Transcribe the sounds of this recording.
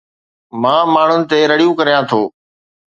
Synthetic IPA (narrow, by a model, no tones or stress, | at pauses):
mãːmaːɳ̤ʊnɪ̆t̪eːɾəɽijũkəɾijãːt̪ʰoː